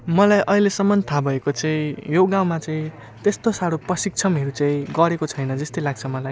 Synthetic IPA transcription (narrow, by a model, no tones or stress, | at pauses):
mʌlajʔʌilesʌmːʌnt̪ʰabʱʌekot͡saĩjoɡãw̃mat͡saĩ | t̪est̪osaɽoprʌsik̚t͡sʰʌmɦʌɾut͡saĩɡʌɾekot͡sʰʌjnʌd͡zʌst̪ʌjlaɡ̚t͡sʰʌmʌlaj